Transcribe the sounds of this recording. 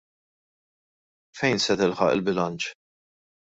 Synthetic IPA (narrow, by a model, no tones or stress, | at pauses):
fɛjnsɛt̪ɪlħɐ̰ʔɪ̰lbɪlɐnt͡ʃ